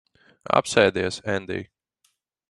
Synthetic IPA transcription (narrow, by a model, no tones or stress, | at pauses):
a̰psɛjd̪iɛsɛ̃nd̪ḭ